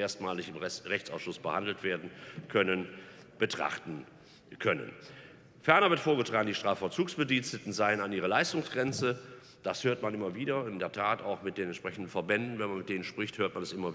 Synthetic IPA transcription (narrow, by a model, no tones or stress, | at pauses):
eːɐstmaːlɪçɪmʁɛçt͡sa̰ʊsʃʊsb̥əhandl̩tv̥eːɐdn̩kʰœnən | b̥ətʁ̥a̰χtn̩ | kʰœnə̰n | fɛɐnɐvɪɐtfoːɐɡətʁ̥aːɡŋ̩diːʃtʁ̥aːfɛɐt͡suːksb̥ədiːnstətn̩zaɪənanʔiːʁ̞əlaɪstʊŋsɡ̥ʁɛnt͡sə | d̥ashøːɐtmanʔɪmɐviːdɐɪndeːɐtʰaːtaʊxmɪt̚d̥eːnɛntʃpʁ̥ɛçn̩dn̩fɛɐbɛndn̩vɛnmanmɪtd̥eːnənʃpʁ̥ɪçthøːɐtmanɛsʔɪmɐ